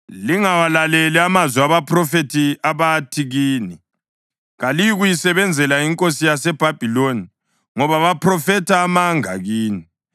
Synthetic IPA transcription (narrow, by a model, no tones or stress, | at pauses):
liŋawalalɛlɛamazwɛaβapʰrɔfetʰiaβatʰiɣiːni | ɣalijuɣujisɛβɛnd͡zʱɛlaiŋkʼosijasɛb̥ʱab̥ʱiloni | ŋɔβaβapʰrɔfɛtʰaːmaŋa̰ɣiːni